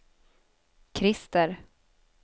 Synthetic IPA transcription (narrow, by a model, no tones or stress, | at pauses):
kʰɾɪst̪əɾ